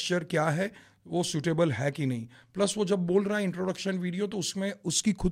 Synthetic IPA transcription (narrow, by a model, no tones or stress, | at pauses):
ʃəɾkjaːɦɛ | ʋoːsuːʈeːbəlɦɛkinɐɦĩplɐsʋod͡ʒɐbːoːlɾɐɦɛɪ̃ɳʈɾoːɖɐkʃənʋiːɽijot̪oʊsmẽʊskixʰʊ